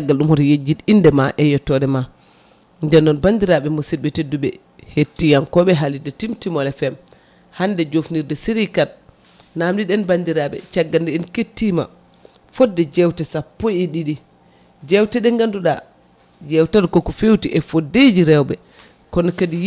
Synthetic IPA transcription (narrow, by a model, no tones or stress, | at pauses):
aɡːalɗumhɔɾjed͡ʒːitindɛmaʔɛjɔtːɔɗɛma | ndɛnːɔnbandiɾaɓɛmosit̚bɛtedːuɓɛ̰ | hetːijankɔɓɛɦalidɛtimtimɔlɛfɛm | handɛd͡ʒofniɾdɛsiɾikat̚ | namɗiɗɛnbandiɾaɓɛ̰t͡ʃaɡːandɛɛnketːima̰ | fɔdːɛd͡ʒɛwtɛsapːɔjɛɗiɗi | d͡ʒɛwtɛɗɛŋɡanduɗa | d͡ʒɛwtadkɔkɔfewtiʔɛfodːed͡ʒiɾɛwbɛ | kɔnɔkadi